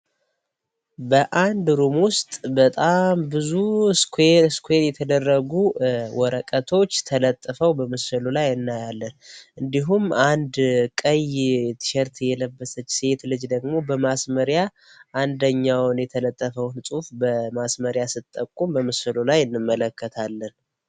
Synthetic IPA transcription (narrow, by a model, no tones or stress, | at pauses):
bəʔand̪ɾumwʊst̪ʼbət̪ʼambɨzuskskʰenjɛt̪ʰəd̪ərːəɡuwɔɾəkʼət̪ʰo̞t͡ʃːt̪ʰələt̪ʼːəfəwbəmɨsɨlulajɨnːajalːənʔɨnd̪iɦumand̪kʼəjjɛt̪ʰɨ̥ʃɛɾt̪ʰjɛləbːəsət͡ʃːse̞t̪lɨd͡ʒd̪əɡmo̞bəmasməɾja | ʔand̪əɲːawnjɛt̪ʰələt̪ʼːəfəwnsʼufbəmasməɾjasɨt̪ʼːəkʼːumbəmɨsɨlolajɨnːɨmːələkːət̪ʰalːən